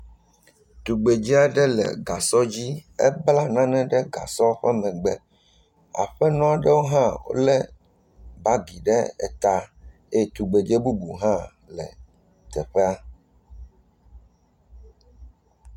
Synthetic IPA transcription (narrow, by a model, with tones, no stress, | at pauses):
t̪u˨ɡ͡be˨d͡ʒɛ˦a˦ɖɛ˦lɛ̰˨ɡa˨sɔ˦d͡ʑi˦ɛ̰˦bla˦nã˦nɛ̃˦ɖɛ˦ɡa̰˨sɔ˦ɸɛ˦mɛ̃˨ɡ͡bɛ˨ | a̰˨ɸɛ˦nɔ̃˦a˨ɖɛ˦wo˦ɦã˦wo̰˦lɛ˦ | ba˦ɡi˨ɖɛ˦ɛ̰˨t̪a˨ | e˦˨t̪u˨ɡ͡be˨d͡ʒe˦bu˦bu˨ɦã˦ | lɛ̰˨ | t̪ɛ˨ɸɛ˦a˦